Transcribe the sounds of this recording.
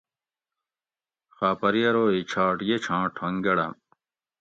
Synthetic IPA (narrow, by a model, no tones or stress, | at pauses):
xaːpɐɾijɐɾoːit͡ɕʰaːʈjet͡ɕʰãːʈʰɐ̃ŋɡɐɽã̰